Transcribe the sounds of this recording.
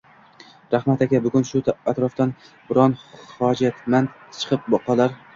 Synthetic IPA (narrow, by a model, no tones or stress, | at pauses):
ɾahmat̪akʲabʊɡʲʊnʃʊt̪ʰat̪ɾɒft̪an | bʊɾɒnhɒd͡ʒat̪man | t͡ʃʰɨ̥qʰɨp̚bɒqʰɒlaɾ